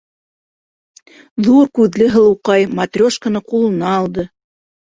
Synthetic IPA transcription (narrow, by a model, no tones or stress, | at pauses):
ðuɾkʉðlɘɦɤ̆lˠɤ̆wqɑjmɐt̪rʲoʃkənɤqulˠɤ̆nɑːlˠd̪ɤ